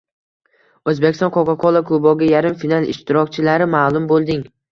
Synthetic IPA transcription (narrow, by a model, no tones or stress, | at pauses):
ɵzbekʲɪst̪ɒ̃nqʰɒkʰaqʰɒlˠakʰʊbɒɡʲajaɾɪmfinalˠɪ̰ʃt̪ɪɾɒkʲt͡ʃʰɪlaɾɪmaːlˠʊmbolˠd̪ɪŋ